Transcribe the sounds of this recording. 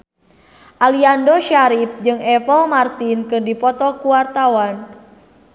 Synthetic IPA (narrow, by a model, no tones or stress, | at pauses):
ʔaliandɔʃaɾip̚d͡ʒɨŋɛfəlmart̪inkɨrdipɔt̪ɔkuwart̪awan